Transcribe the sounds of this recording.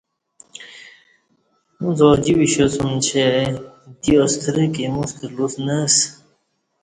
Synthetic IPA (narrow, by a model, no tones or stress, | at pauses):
mũzɔːd͡ʑiwiɕosumt͡ɕʰe | d̪iost̪ʰəɾekemust̪əlusnəs